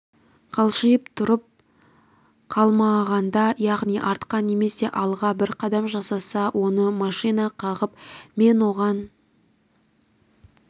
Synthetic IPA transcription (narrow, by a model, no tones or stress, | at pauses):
qʰɑlˠʃəjəp̚t̪ʰʊɾəp̚ | qʰɑlˠmɑʁɑnd̪ɑjɑʁnijʔɑɾt̪qɑnːe̞me̞se̞ʔɑlˠʁɑbɪɾqʰɑd̪ɑmʒɑsɑsɑwʔo̞nəmɑʃijnɑqʰɑʁəpme̞nwoʁɑn